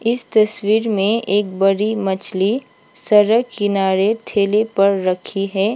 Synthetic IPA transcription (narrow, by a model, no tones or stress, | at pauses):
ɪst̪ɐswiːɾmẽʔeːk̚bɐɾimɐt͡ʃʰli | sɐɾəkɪnaːɾeʈʰeːlepɐɾːəkʰiɦɛː